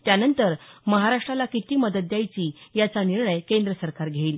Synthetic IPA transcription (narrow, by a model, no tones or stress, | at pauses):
t̪janənt̪əɾməɦaɾaʂʈɾalakit̪iːməd̪ət̪ːjajt͡ɕiːjat͡saniɾɳəjkend̪ɾəsəɾkaɾɡʱeiːl